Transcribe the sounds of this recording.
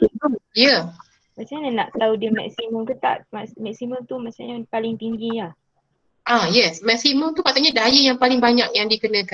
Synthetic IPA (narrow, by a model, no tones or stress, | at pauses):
t̪iəmjə | masaɲanaʔt̪audəmɛ̰ksiməmkət̪a̰ʔmasmɛksiməmt̪umasaɲapalɪŋt̪iŋɡijah | ʔajɛsmɛksiməmt̪upat̪aɲadajəjaŋpalɪŋbaɲak̚jaŋdikənə̃kan